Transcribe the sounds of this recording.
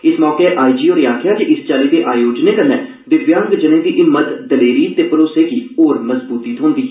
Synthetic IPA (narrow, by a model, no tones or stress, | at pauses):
ɪsmɔːkeʔaːid͡ʒiːoːɾjãːkʰjaːkɪʔɪst͡ʃaːleːd̪eːʔaːjoːd͡ʒneːkəɾnɛ̃ː | ʋɪʋjãːŋɡd͡ʒənẽːd̪iːʔɪmːət̪d̪əleːɾiːt̪eːpəɾoːseːɡiːoːɾməzbuːt̪iːt̪ʰõːnd̪iː